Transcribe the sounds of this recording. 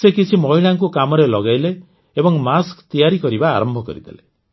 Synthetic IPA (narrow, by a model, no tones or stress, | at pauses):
sekit͡ʃʰimɔɦiɭaŋk̬ukamɔɾelɔɡajle | ebɔŋmaskt̪ijaɾikɔɾiba̰ːɾɔmbʱɔkɔ̰ɾḭd̪ʰʱa̰lḛ